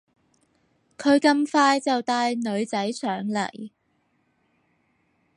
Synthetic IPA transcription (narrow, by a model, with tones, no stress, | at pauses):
kʰɵ˨˧ɥkɐ˧mfaː˧jt͡sɐ˨wt̪aː˧jnɵ˨˧ɥt͡sɐ˨˥jsʰœː˨˥ŋlɐ̰˨˩j